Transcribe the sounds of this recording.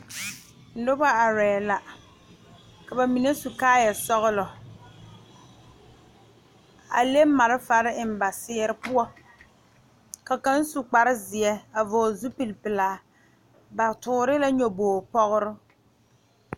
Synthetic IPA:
n̩˦dʊ˦ba˦a˨ɾɛː˨la˨ | ka˨ba˨mi˨ne˦su˨kaː˦jɛ˨sɔ˦ɣʊ˦lɔ˨ | a̰˨le˦ma˨ɾɪ˦fa˨ɾɪ˦ɪ˨m˦˨ba˨sɪː˦ɾɪ˦pʊ˦ɔ˦ | ka˨ka˦n˦su˨k͡pa˨ɾɪ˦zɪ˨ɛ˦a˨vɔ˨zu˦pi˨lpɪ˨laː˨ | ba˨tʊː˨ɾɪ˦la˦ɲo˨boː˨pɔ˦ɣʊ˦ɾʊ˦

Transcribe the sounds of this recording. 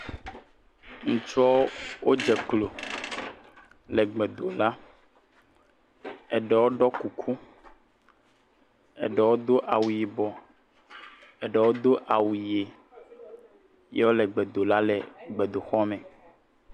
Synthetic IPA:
ŋũ˨t͡ʃɔ˦wo˦d͡ʒɛ˨klo˨ | lɛ˨ɡ͡bɛ˨d̪o˨la˦ | ɛ˨ɖɛ˨wo˦ɖɔ˦ku˨kʰu˦ | ɛ̰˨ɖɛ˨wo˦d̪o˦ʔa˨wu˨ji˨bɔ˨ | ɛ˨ɖɛ˨wo˦d̪o˦ʔa˨wu˨je˨ | je˦wo˦lɛ˨ɡ͡bɛ˨d̪o˨la˦lɛ˨ɡ͡be˨d̪o˨xɔ˦mɛ̃˨

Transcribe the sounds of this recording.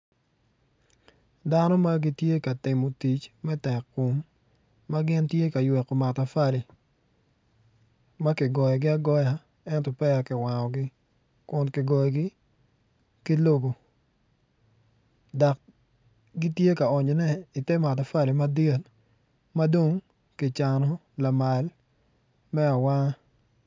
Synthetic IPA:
da˦nɔ˦ma˦ɡi˦tje˦ka˨tɪ˨mo˨ti˨t͡ʃmɛ˦tɛ˨kːʊ˨mː | a˦ɡɪ˦ntje˦ka˨jwɛ˨kɔ˨ma˨ta˨fa˦li˨ | ma˦kɪ˨ɡɔ˨jɔ˨ɡɪ˦a˦ɡɔ˦ja˨ | ɛ˦ntɔ˨pɛ˦a˨kɪ˨wa˨ŋɔ˨ɡɪ˦ | kʊ˨nkɪ˨ɡɔ˨jɔ˨ɡɪ˦ | ki˦lo˦bo˨ | da˨k̚ | ɡi˦tje˦ka˨ɔ˨ɲɔ˨nɛ˦i˨te˦ma˨ta˨fa˦li˨ma˦de˦l | ma˦do˦ŋ | kɪ˨t͡ʃa˨nɔ˨ | la˨ma˨l | mɛ˦a˨wa˦ŋ˦

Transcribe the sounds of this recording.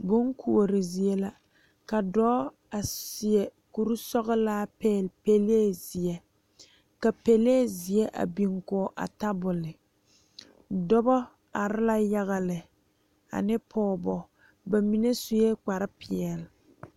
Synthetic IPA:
ɡo˦ŋkʰu˦˨o˨ɾɪ˨zi˨e˦la˦ | ka˨dɔː˦ | a˨sɪ˨ɛ˨ku˨ɾu˦sɔ˦ɣɪ˦laː˦pɛː˦˨lpe˦leː˦zɪ˨ɛ˦ | ka˨pe˦leː˦zɪ˨jɛ˦ʔa̰˨bi˨ŋkɔ˨ʔa̰˨ta˦bʊ˨lɪ˨ | dɔ˦bɔ˦ | a˨ɾɪ˦la˦ja˦ɣa˨lɪ˨ | a̰˨nɪ˦pʰɔː˨bɔ˨ | ba˨mi˨ne˦sʊ˦jɛ˦k͡pa˨ɾɪ˦pɪ˨ɛ˨lɪ˨

